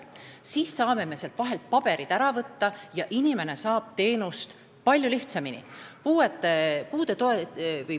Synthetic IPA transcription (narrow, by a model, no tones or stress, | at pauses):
siːssɑːme̞me̞selt̪vɑɦe̞lt̪̚pɑb̥e̞ɾid̪̥æɾɑvɤt̪ːɑjɑʔinime̞ne̞sɑːb̥̚t̪e̞ːnust̪ | pɑlʲjuliht̪sɑminḭpuːet̪ˑːepuːd̪e̞t̪oevɯj